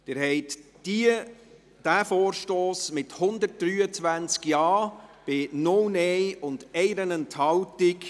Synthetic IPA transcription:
d̪̥ɪːɾɦɛɪt | i | d̥æːfɔːɾʃtoːsmɪthʊnd̪ərt̚d̥ɾyːət͡svænt͡skjɑːb̥ɪnʊwnɛjʊnd̥ɛɪɾənənthɑwtɪk

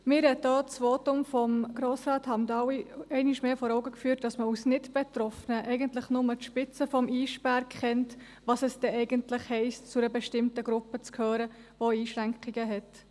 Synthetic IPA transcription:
mɪːɾhɛt̚dɑːt͡sʋoːtʊmfɔmɡ̥ɾoːsɾɑːthɑndɑwiɛɪnɪʃmeːfɔːɾɔʊɡəkfyːɾt̚d̥ɑsməusnɪdb̥ɛt̪ɾɔfənəʔɛɪɡəntlɪχnʊmətʃpɪt͡səfɔmʔiːʃpæɾkχɛnt | ʋɑsɛsd̥ɛɛɪɡəntlɪχhɛɪstt͡sʊɾəbɛʃtɪmtəɡɾʊpːət͡skʰhøːɾə | ʋoiːʃɾæŋkʰiɡəɦɛt

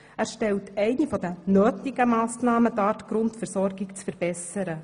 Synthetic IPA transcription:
æɾʃtɛltɛɪnifɔd̥̪ənøːtiɡəmɑːsnɑːmətɑːtɡ̥ɾʊntfəɾsɔrɡɪkt͡sfəɾb̥ɛsəɾə

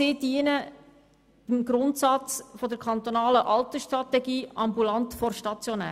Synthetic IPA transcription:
ɪːdiənə | təmɡɾʊntsɑt͡sfɔd̪əɾkʰɑnt̪onɑːləʔɑlt̪əʃtɾɑt̪ɛɡiːɑmbulɑnt̪fɔɾʃtɑt͡sjonæ̰ː

